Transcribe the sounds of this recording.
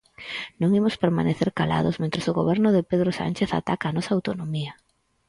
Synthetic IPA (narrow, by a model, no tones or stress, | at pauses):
nõŋimʊspeɾma̰neθeɾkala̰ðosmẽnt̪ɾesʊɣoβɛɾnʊðɪpeð̞ɾosa̰nʲt͡ʃeθa̰t̪akaːnɔsɐaːwt̪onomiɐ